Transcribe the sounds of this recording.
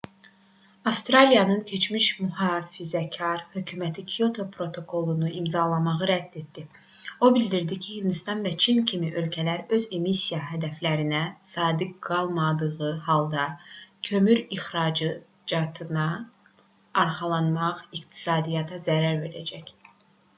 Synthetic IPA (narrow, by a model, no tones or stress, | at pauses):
ɑfst̪ɾɑlijɑnɯncʰe̞t͡ʃmiʃmyɦɑːfizæcʰɑɾhøcʰymæt̪ʰikʰijo̞t̪ʰo̞pʰɾo̞t̪ʰo̞kʰo̞lˠunuʔimzɑlˠɑmɑʁɯɾæd̪̥ːet̪̚d̪i | o̞bilʲd̪iɾd̪icʰihind̪ist̪ɑnvæt͡ʃʰincʰimiʔø̞lcʰælæɾøze̞misijɑɦæd̪æflæɾinæsɑːd̪iɡ̥ɑlˠmɑd̪ɯʁɯɦɑlˠd̪ɑcʰø̞myɾixɾɑd͡ʒ | d͡ʒɑt̪ʰɯnɑː | ɾχɑlˠɑnmɑʁikt̪ʰi̥sɑːd̪ijɑt̪ʰɑzæɾæɾve̞ɾæ̰d͡ʒæc